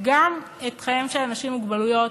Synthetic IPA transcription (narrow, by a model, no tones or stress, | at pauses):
ɡam | et̪χajemʃelanaʃimːuɡbalujo̞t